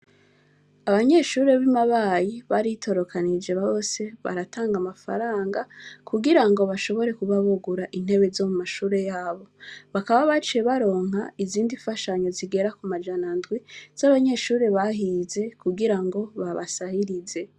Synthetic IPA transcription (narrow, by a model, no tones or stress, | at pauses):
aβaɲe̞ʃuːɾe̞βimaβajiβaɾitʰo̞ɾo̞kʰanid͡ʒe̞βaβo̞se̞βa̰ɾataːŋɡamafa̰ɾaːŋɡakuɡiɾaŋɡo̞βaʃo̞βo̞ɾe̞kuβaβuɡuɾaʔin̥he̞βe̞zo̞mumaʃuːɾe̞jaːβo̞βakaβaβat͡ʃijeβaɾo̞ːŋɦaiziːndifaʃaɲo̞ziɡe̞ɾakumad͡ʒanandɡwiz̥aβaɲe̞ʃuːɾe̞βaɦize̞kuɡiɾaŋɡo̞βaβa̰sahiɾize̞